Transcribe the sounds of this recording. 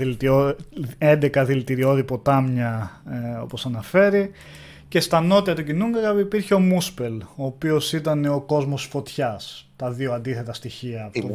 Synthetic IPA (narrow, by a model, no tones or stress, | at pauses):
lt̪ioend̪e̞kɐðilit̪iɾio̞ðipo̞t̪ɐmɲɐ | o̞̰po̞sɐnɐfe̞ɾi | ce̞st̪ɐno̞t̪iɐt̪ucinuŋɡɐɣɐipiɾçeo̞muspe̞lo̞ːpio̞sit̪ɐne̞o̞ko̞zmo̞sfo̞t̪çɐst̪ɐðio̞ɐnd̪iθe̞t̪ɐst̪içiɐːfo